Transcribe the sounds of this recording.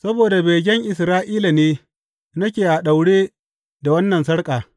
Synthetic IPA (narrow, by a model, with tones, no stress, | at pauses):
sɐ˦boː˨da˨beː˨ɡʲɛ˦ŋʔɪ˨sɾaː˦ʔiː˦la˨neː˦ | nɐ˦kʲeː˨ʔa˨ɗa˨wɽeː˦ | da˨wɐ˦nːɐ˨nsɐ˦ɽkʼaː˨